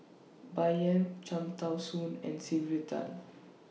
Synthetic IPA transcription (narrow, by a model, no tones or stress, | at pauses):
bajə̃nt͡ʃãmt̪awsũnɛ̰̃nsivitʰa̰l